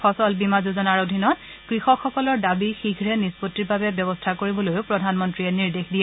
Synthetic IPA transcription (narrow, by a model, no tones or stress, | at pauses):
xɔsɔlbimazuzɔnaɹodʱinɔt | kɹixɔkxɔkɔlɔɹdabixiɡɹɛnispotːiɹbabɛbjɔbɔstʰakoɹibɔlojʊpɹɔdʱanmɔntɹiɛniɹdexdijɛ